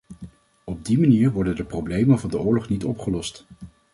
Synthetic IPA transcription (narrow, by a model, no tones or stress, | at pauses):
ɔb̚dimaniːɹʋɔɹdəndəprowblejmənvɑndəʊːɹlɔχnitɔpχəlɔst